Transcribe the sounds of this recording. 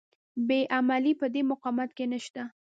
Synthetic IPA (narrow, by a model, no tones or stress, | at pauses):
beʔamalipəd̪emʊqɑmat̪kenəʃt̪a